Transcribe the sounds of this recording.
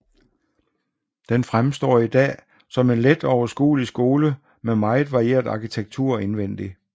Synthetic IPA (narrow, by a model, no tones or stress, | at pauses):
d̥enfʁamsd̥ɒ̰ːid̥ɛ̰ː | sɒ̽me̝nled̥ɒʊɐsɡ̥ṵːlisɡ̥o̝ːlə | memɑ̈ɪð̩ˠʋɑ̈ʁie̝̰ːɐd̥ɑ̈kʰit͡sʰeɡ̥̚t͡sʰuɐ̰e̝nʋen̰d̥i